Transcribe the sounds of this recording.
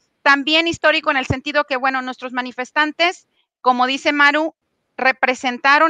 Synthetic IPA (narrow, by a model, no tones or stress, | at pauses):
t̪ambje̞nist̪o̞ɾiko̞enelse̞nt̪iðo̞ke̞βwe̞no̞nwe̞st̪ɾo̞zmanife̞st̪ant̪e̞s | ko̞mo̞ð̞ise̞maɾu | re̞pɾe̞se̞nt̪aɾo̞